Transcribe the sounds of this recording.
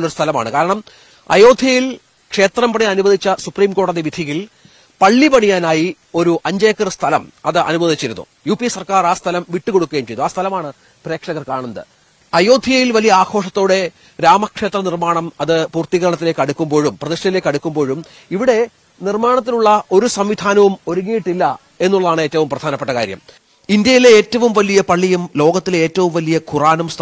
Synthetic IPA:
lːo̞ɾust̪ʰɐlɐma̰ːɳɨkaːɾɐɳɐm | ɐ̰jo̞ːd̪ʱjɐjil | kʂe̞ːt̪rɐmpɐɳijɐnubɐd̪ʱit͡ɕːɐsupriːmko̞ːɽɐðiʋid̪ʱiɣil | pɐɭːipɐɳijaːnaːji | o̞ɾuʔɐɲd͡ʑɐjɐkːɐrst̪ʰɐlɐmɐðɨʔɐ̰nubɐd̪ʱit͡ɕːiɾṵnːṵ | juːpisɐrkaːraːst̪ʰɐlɐmʋiʈːuko̞ɽukːuɣejmt͡ɕejðuaːst̪ʰɐlɐmaːɳɨ | pre̞ːkʂɐɣɐrkaːɳɐnd̪ɨ̰ | ɐjo̞ːd̪ʱijɐjilʋɐlijɐaːkʰo̞ːʂɐt̪ːoːɽe̞ | ɾaːmɐkʂe̞ːt̪rɐnirmaːɳɐmɐðɨpuːrt̪iɣɐɾɐɳɐt̪ːile̞ːkːɐɽukːumbo̞ːɻumprɐðiʂɐjile̞ːkːɐɽukːumbo̞ːɻum | iʋiɽe̞ | nirmaːɳɐt̪̬ːiluɭːɐo̞ɾusɐmʋid̪ʱaːnɐʋumo̞ɾuŋːijiʈːilːɐ | e̞nːuɭːɐðaːɳeːtːɐʋumprɐd̪ʱaːnɐpːe̞ʈːɐkaːɾjɐ̰m | ind̪jɐjile̞eːtːɐʋumʋɐlijɐpɐɭːijumlo̞ːɡɐt̪ːileːtːɐʋumʋɐlijɐkuraːnumst̪ʰ

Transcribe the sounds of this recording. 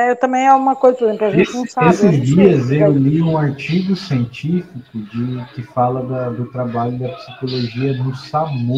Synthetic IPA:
ɛewt̪ɐ̃mẽj̃ɛũmɐkojzɐlĩpɾaẽsaesɪzd͡ʒiɐzewliũaɾt͡ʃiɡʊsiẽnt͡ʃifikʊd͡ʒɪkɪfalɐd̪ɐd̪ʊt̪ɾabaʎʊd̪ɐpsi̥koloʒiɐnʊsamo

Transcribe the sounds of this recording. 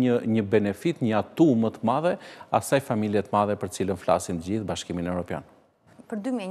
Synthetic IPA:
əɲəbɛnɛfit̪ɲəat̪umət̪əmaðɛa̰sajfamiljɛt̪əmaðɛpəɾt̪ət͡silənfla̰simt̪əd͡ʑiθbaʃkiminɛvɾɔpja̰n | pəɾd̪ymjɛ

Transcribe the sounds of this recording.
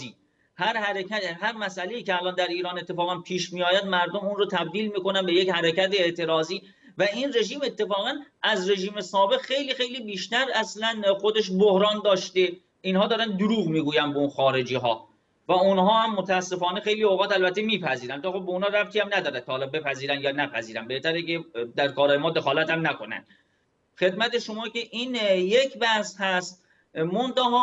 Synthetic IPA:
i | hæɾhæɾekʰæt̪ɦæɾmæsæleiːceælɒːnd̪æɾiːɾɒːne̞t̪ːe̞fɒːɣænpʰiːʃmiːjɒːjæd̪mæɾd̪omunrot̪ʰæb̚d̪iːlmiːko̞nænbe̞jechæɾecæt̪eeʔt̪ʰe̞ɾɒːziː | væʔinre̞ʒiːme̞t̪ʰːe̞fɒːɣænʔæzre̞ʒiːme̞sɒːbe̞ɣxe̞jliːxe̞jliːbiːʃt̪æɾæslænxod̪e̞ʃ̬bohɾɒːnd̪ɒːʃt̪e̞ | inhɒːd̪ɒːɾænd̪oɾuːɣmiːɡuːjænd̪beunxɒːɾe̞d͡ʒiːɦɒː | væunɦɒːhæmːot̪ʰæːsːe̞fɒːne̞xe̞jlioɣɒːt̪ælbæt̪ʰːemiːpʰæziːɾænt̪ʰɒːxo̞b̚eunhɑːɾæp̚t̪ʰiæmnæd̪ɒːɾænt̪ʰɒːhːlɒːbe̞pæziːɾænd̪jɒːnæpʰæziːɾænbe̞ht̪ʰæɾeked̪æɾkʰɒːɾɒːjemɒːd̪e̞xɒːlæt̪æmnæko̞næ̰nd̪̥ | xe̞d̪mæt̪e̞ʃo̞mɒːce̞ʔiːnje̞cʰbæhshæst̪ | mont̪æɦɒː

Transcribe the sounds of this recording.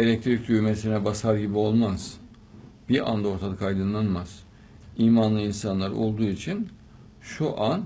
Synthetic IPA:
e̞lʲɛc̚t̪ʰɾic̚d̪yjmesinɛbasaɾɟibio̞lˠmaz̥ | b̥iɾa̰nd̪ao̞ɾt̪ʰad̪ɯkʰajd̪ɯnlˠanmaz̥ | iːmanlˠɯinsanlˠaɾo̞̰lˠd̪uːit͡ʃʰin | ʃuʔan

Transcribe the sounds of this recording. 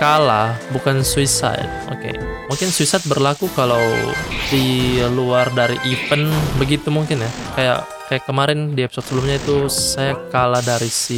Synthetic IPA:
kalahbukansuisa̰t̪̚ʔo̰kḛmuŋkɪnsuisat̪̚bərlakukalawdiluardaɾiʔifənbəɡit̪umuŋkɪnjakaja̰ʔ | kajakːəmaɾɪndiɛpsɔt̪səbəlʊmɲait̪usajakalahdaɾisi

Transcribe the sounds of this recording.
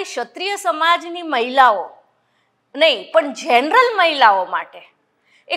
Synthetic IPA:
iʃət̪ɾijəsəmad͡ʒniməɦilao | nəɦĩpəɳd͡ʒenɾəlməɦilaoma̰ʈe | e

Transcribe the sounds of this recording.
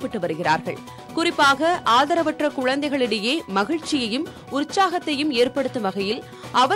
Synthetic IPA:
pːɐʈːɯʋɐɾɯɣɪra̰ːɾɣɐ̰ɭ | kʊrɪpːaːɣɐʔaːðɐɾɐʋɐʈrɐkʊɻɐnd̪ɐɪɣɐɭɪɽɐjeːmɐɣɪɻt͡ʃːɪjɐjɯm | ʊɾt͡ʃːaːɣɐt̪ːɐjɯmeːrpɐɽɯt̪ːɯmʋɐɣɐjɪl | ʔɐʋɐ

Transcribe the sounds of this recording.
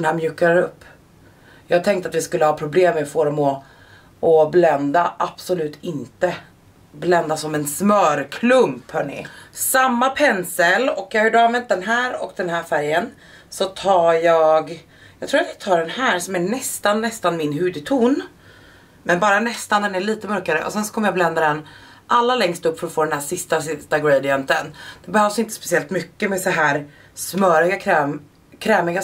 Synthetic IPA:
d̪ɛnhæːɾmjʉ̟ːkaɾɵpː | jɑːɡ̚t̪ʰɛŋkt̪at̪vɪskɵlːəhɑːpʰɾʊbleːmɛfoːɾɔmɔ | ʔɔblɛnd̪aʔab̥sʊlʉ̟ːt̪ʰɪnt̪ə | blɛnd̪asɔmɛnsmœːɾkʰlɵmphœːɳɪ̰samːapʰɛnsəlɔkːjɑaɪɖɑːmɛnt̪̚d̪ɛnɦæːɾɔ̰kd̪ɛnhæːɾfæɾjən | sɔt̪ʰɑːɾjɑːɡ | jɑɡt̪ʰɾuːɾat̪jaɡ̚t̪ʰɑːɖɛnhæːɾsɔmæɳɛst̪anːɛst̪anmɪnɦʉ̟ːd̪ɪt̪ʰuːn | mɛnbɑːɾanɛst̪and̪ɛnæɭiːt̪əmœɾkaɾə̰ʔɔ̰sɛnsɔ̥kʰɔmːəjaːblɛnd̪ad̪ɛn | ʔalːalɛŋst̪ɵpːfœɾɔt̪foːd̪ɛnɦæːʂɪst̪asɪst̪aɡɾejd̪ɪjœnt̪ənd̪̥ɛbɛhœːvsɪnt̪əspɛ̥sɪɛlt̪mʏkːəmɛːsɔɦæːɾ | smœɾɪɡakʰɾɛːm | kʰɾɛːmɪɡa

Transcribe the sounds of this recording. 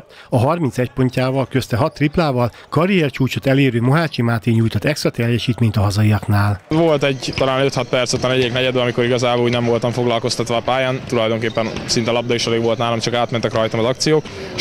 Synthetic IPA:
ɒɦɒrmint̪sɛcpo̞ɲcaːvɒlkøst̪ɛɦɒt̪ːriplaːvɒl | kɒɾijɛrt͡ʃuːt͡ʃot̪ɛleːɾøːmoɦaːt͡ʃimaːt̪iɲuːjt̪ot̪ːɛksrɒt̪ɛrjɛʃiːt̪meːɲt̪ɒɦɒzɒiɒknaːlvo̞lt̪ɛɟt̪ɒlaːnøt̪hɒt̪pɛrt̪sot̪ːɒnɛɟɛiknɛɟɛd̪øɒmiko̞ɾiɡɒzaːboluːɟnɛɱvo̞lt̪ɒɱfo̞ɡlɒlko̞st̪ɒt̪ʋɒːpaːjaːnt̪ulɒjd̪o̞ŋkeːpːɛnsint̪ɛlɒb̚d̪ɒiʃɛleːɡvo̞lt̪naːlomt͡ʃɒkaːt̪mɛnt̪ɛkrɒjt̪ɒmɒzɒkt̪sijoːk

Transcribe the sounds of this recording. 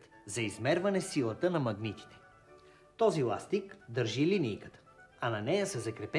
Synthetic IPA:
t̪ | zɐizmɛɾvɐnɛsilˠət̪ənɐmɐɡnit̪i̥t̪ɛ̥ | t̪ɔzilˠa̰st̪ikd̪əɾʒilinijkət̪ə̥ɐnɐnɛjəsɛzɐkɾɛpɛ

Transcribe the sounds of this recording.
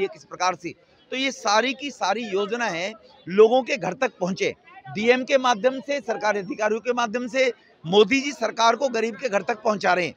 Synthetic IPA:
ekɪsi̥pɾɐkaːɾse | t̪ojesaːɾikisaːɾijoːd͡ʒnaɦɛ | loːɡõkeɡʱɐɾt̪ɐk̚pɐ̃ɦʊ̃nt͡ʃḛ̃ːɖiːemkemaːd̪ʱjəmsesɐɾkaːɾiɐd̪ʱɪkaːɾijõkemaːd̪ʱjəmse | moːd̪id͡ʒisɐɾkaːɾkoɡɐɾiːb̚keɡʱɐɾt̪ɐk̚pɐɦʊ̃nt͡ʃaːɾɐɦɛ̰̃ː

